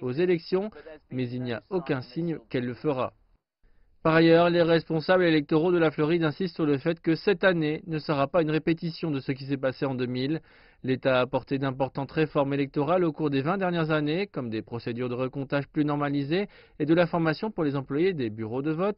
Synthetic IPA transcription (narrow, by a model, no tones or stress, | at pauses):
ozelɛksjɔ̃mɛzilnijaokʲɛ̃siɲkɛlːəfəʁa̰ | paʁajœʁleʁɛspɔ̃sablelɛk̚t̪ɔʁod̪əlaflɔʁid̪ɛ̃sist̪syʁləfɛt̪kəsɛt̪anenəsəʁapaynʁepet̪isjɔ̃d̪əsəkʲis̬ɛpaseɑ̃d̪əmil | let̪aːpɔʁt̪ed̪ɛ̃pɔʁt̪ɑ̃t̪ʁefɔʁmelɛk̚t̪ɔʁalokuʁd̪evɛ̃d̪ɛʁnjɛʁzanekɔmd̪epχɔsed̪yʁd̪əʁəkɔ̃t̪aʒplynɔʁmalizeː | d̪əlafɔʁmasjɔ̃puʁlezɑ̃plwajed̪ebyʁod̪əvɔt̪